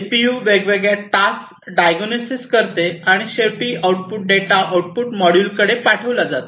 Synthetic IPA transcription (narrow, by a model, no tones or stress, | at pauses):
pijuʋeɡʋeɡɭjaʈas | ɖajɡonosiskəɾt̪eaɽ̃iɕepiawʈ̚puʈ̚ɖeʈaʔawʈ̚puʈmɔɽjuːlkəɽepaʈʰəʋlad͡zat̪